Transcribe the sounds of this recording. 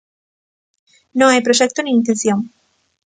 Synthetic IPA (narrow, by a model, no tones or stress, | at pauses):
noajpɾo̞ʃek̚t̪oniːnt̪ẽnθjoŋ